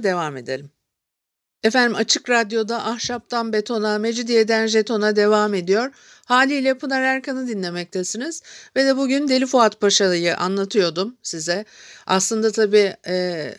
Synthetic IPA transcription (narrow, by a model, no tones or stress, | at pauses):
d̪e̞vame̞d̪elɾʲim | efænd̪imat͡ʃʰɯkɾad̪jo̞d̪aʔahʃap̚t̪ʰanbe̞t̪ʰo̞name̞d͡ʒid̪ijed̪ænʒe̞t̪ʰo̞nad̪e̞vaːme̞d̪ijo̞ɾ | haːlʲiːlʲɛpʰunaɾæɾkʰanɯd̪inlʲe̞mɛc̚t̪ʰɛsiniz̥ved̪ɛbuɟynd̪e̞lʲifuat̪pʰaʃalˠɯjɯʔa̰nlˠat̪ʰɯjo̞d̪umsizɛa̰slˠɯnd̪at̪ʰabiːɛː